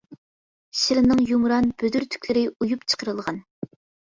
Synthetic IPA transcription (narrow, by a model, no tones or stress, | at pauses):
ʃiɾɪnɨŋjumɾɑnb̥ød̪yɾt̪ʰy̥kʲlɪɾɪujupt͡ʃʰə̥qʰəɾɨlˠʁɑn